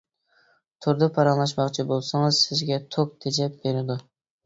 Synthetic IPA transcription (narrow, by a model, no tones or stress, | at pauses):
t̪ʰʊɾd̪ɨpʰɑɾɑŋlˠɑʃ̬mɑqt͡ʃʰibolˠsɨŋɨzsɪzɡʲɛt̪ʰok̚t̪ʰed͡ʒɛp̚beɾɪd̪ʊ